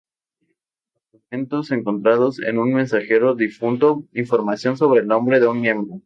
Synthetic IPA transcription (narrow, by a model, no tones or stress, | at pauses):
oment̪ose̞ŋko̞nt̪ɾað̞o̞sḛnunmẽ̞nsaxe̞ɾo̞ðifunt̪oiɱfo̞ɾmasjo̞nso̞β̞ɾe̞ːlnõ̞mbɾe̞ðeunmjẽ̞mbɾo